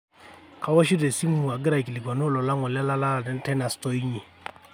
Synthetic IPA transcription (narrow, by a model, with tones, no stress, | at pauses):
ka˨wɔ˦ʃ̬i˦dɛ˨si˦mu˦u˨a˨ɡɪ˦ɾa˨ki˨li˨kwa˨no˦˨lɔ˨la˦ŋɔ˨la˦la˦la˦˨dɛ˦n˦tɛ˦na˨stɔ˦i˦ɲi˨